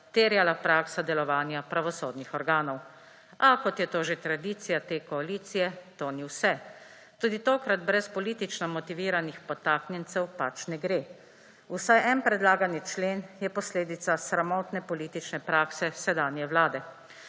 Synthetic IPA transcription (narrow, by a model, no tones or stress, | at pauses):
t̪eːɾjalapɾaːksad̪ɛlɔʋaːnjapɾaʋɔsoːd̪nixɔɾɡaːnɔw | akɔt̪jɛt̪oːʒet̪ɾad̪iːt̪sijat̪eːkɔaliːt̪sijɛt̪oːniwsɛ | t̪uːd̪it̪oːkɾad̪bɾɛspɔliːt̪it͡ʃnɔmɔt̪iʋiːɾanixpɔt̪aːknjɛnt̪sɛwpat͡ʃnɛɡɾeː | usajʔɛnpɾɛd̪laːɡanit͡ʃleːnjɛpɔsleːd̪it̪sasɾamɔːt̪nɛpɔliːt̪it͡ʃnɛpɾaːksɛsɛd̪aːnjɛwlaːd̪ɛ